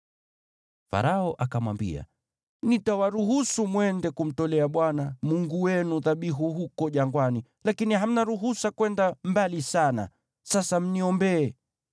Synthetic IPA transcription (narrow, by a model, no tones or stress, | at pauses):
fa̰ɾaɔʔakamwa̰mbḭa̰ | nitawaɾuɦusumwɛndɛkum̩tɔlɛaɓwanamuŋɡuwɛnuðaɓiɦuɦukɔʄaŋɡwani | lakiniɦam̩naɾuɦusakwɛndambalisana̰ | sasam̩niɔmbɛː